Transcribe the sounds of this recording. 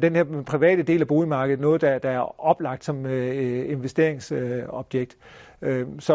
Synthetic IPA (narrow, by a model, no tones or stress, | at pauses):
d̥enheɐpʰʁiʋɛ̰ːd̥əd̥e̝̰ːlæb̥o̝ːlimɑ̈ːɡ̥əð̩ˠnɔ̽ːð̞̩ˠd̥æd̥ææɐɒ̽b̥lɑ̈ɡ̥d̥sɒ̽me̝nʋesd̥e̝ɐeŋsɒ̽b̥jeɡ̥̚d̥ | sɒ̽